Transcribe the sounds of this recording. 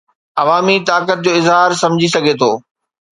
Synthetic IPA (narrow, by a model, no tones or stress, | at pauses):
ɐʋaːmit̪aːkət̪̚d͡ʑoːɪzɦaːɾsɐ̃md͡ʑʱisɐɡʱet̪ʰoː